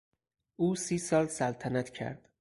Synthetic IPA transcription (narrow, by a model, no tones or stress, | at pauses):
ʔuːsiːsɒːlsælt̪ʰænæt̪ʰcʰæ̰ɾd̪̥